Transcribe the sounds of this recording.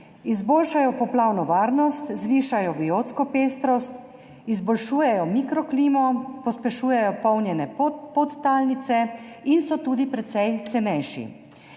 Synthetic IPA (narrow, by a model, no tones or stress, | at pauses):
izboːlʃajɔpɔplawnɔʋaːɾnɔst̪zʋiːʃajɔbioːt̪skɔpeːst̪ɾɔst̪ | izbɔlʃuːjɛjɔmikɾɔkliːmɔpɔspɛʃuːjɛjɔpɔwnjɛnɛpot̪ːalnit̪sɛinsɔt̪uːd̪ipɾɛt̪sɛjt̪sɛnɛjʃḭ